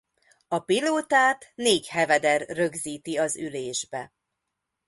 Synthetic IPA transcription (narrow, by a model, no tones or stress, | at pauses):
ɒpiloːt̪aːt̪neːchɛvɛd̪ɛrːø̞ɡziːt̪iɒzyleːʒbɛ